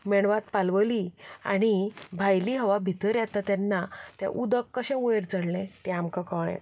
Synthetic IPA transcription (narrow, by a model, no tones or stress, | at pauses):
mɛɳ̃ʋat̪palʋəlia̰ɽ̃ibʱajliɦəʋabʱit̪əɾjat̪at̪janːat̪jã̰ʔud̪əkːəɕɛ̃ueɾt͡səɽlẽt̪ɛamkakəɭɛ̰̃